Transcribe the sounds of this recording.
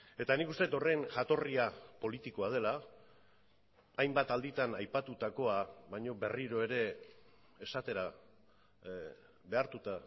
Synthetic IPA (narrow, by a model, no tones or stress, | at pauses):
e̞t̪anikust̪e̞t̪o̞re̞nʝat̪o̞riapo̞lit̪iko̞að̞e̞la | jmbat̪ald̪it̪anajpat̪ut̪ako̞aβaɲo̞βe̞riɾo̞e̞ɾe̞ː | sat̪e̞ɾa | βe̞aɾt̪ut̪a